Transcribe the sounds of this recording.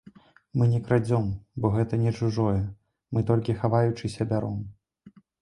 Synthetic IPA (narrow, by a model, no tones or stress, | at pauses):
mɨnʲɛkɾad͡zʲɔmbɔɣɛt̪ɐnʲɛt͡ʂuʐɔjɛ | mɨt̪ɔlʲkʲixavajut͡ʂɨsʲɐbʲaɾɔm